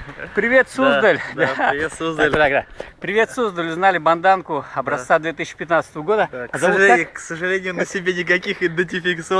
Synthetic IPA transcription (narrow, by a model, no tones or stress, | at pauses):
pɾʲɪvʲe̞t̪sozd̪əlʲd̪asozd̪əlʲd̪akd̪apɾʲɪvʲe̞t̪sozd̪əlʲʊznalʲɪbɐnd̪ankʊɐbɾɐst̪sad̪vʲet̪ɨsʲɕɪ̥pʲɪt̪nat̪sə̥t̪əvəɡo̞d̪əɐɐaksəʐɨlʲenʲɪjʊnəsʲɪbʲenʲɪk̬ɐkʲixɪd̪ɪnʲtʲɪfʲɪkt̪sɨo